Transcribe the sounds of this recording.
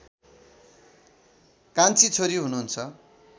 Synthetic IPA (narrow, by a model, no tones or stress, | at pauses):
kãnt͡sʰit͡sʰoɾiɦunuunt͡sʰʌ